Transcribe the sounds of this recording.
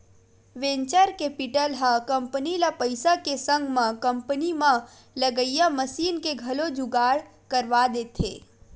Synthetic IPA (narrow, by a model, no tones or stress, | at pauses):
ʋẽɲt͡ʃəɾkepiʈəlɦəkəmpənilapəɪsakesə̃ŋɡʱmãkəmpənimã | ləɡəjjaməsiːnkeɡʱəlod͡ʒuɡaːɽ | kəɾʋad̪et̪ʰḛː